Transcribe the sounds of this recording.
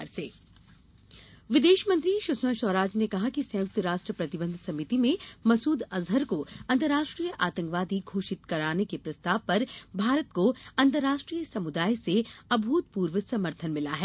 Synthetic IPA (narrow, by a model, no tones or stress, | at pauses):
ɾseː | ʋɪd̪eːʃmə̃nt̪ɾiʃʊsmə̃ʃɔːɾaːd͡ʒnekɐɦakisɐ̃jʊk̚t̪əɾaːʃʈɾəpɾɐt̪ɪbə̃nd̪ʱsɐmɪt̪imẽmɐsuːd̪ɐzɦəɾkoɐ̃nt̪əɾaːʃʈɾijəʔaːt̪ə̃ŋkʋaːd̪iɡʱoːʃɪt̪kɐɾaːnekepɾɐst̪aːʋpɐɾbʱaːɾət̪̚koɐ̃nt̪əɾːaːʃʈɾijəsɐmʊd̪aːjseɐbʱuːt̪̚puːɾʋəsɐməɾt̪ʰənmɪlaɦɛː